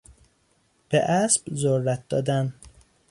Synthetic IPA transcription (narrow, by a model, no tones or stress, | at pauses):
b̥eʔæsb̥zoɾːæt̪̚d̪ɒ̰ːd̪æn